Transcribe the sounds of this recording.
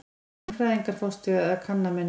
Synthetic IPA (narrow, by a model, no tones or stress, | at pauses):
fɾajðiŋkaɾ̥fɔst̪ʏðakʰanːamɛn